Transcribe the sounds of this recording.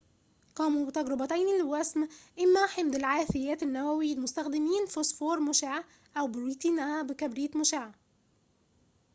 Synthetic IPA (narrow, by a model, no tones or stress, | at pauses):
qɑːmuːbɪt̪æɡɾɪbæt̪æjnilwæsmʔɪmːæħɪmd̪ɪlʕaːθɪjæːt̪ɪnːæwæwilmʊst̪æxd̪ɪmiːnfosfoːɾˤmʊʃaʕ | ʔæwbɪɾiːt̪iːnæbɪkæbɾiːt̪mʊʃaʕ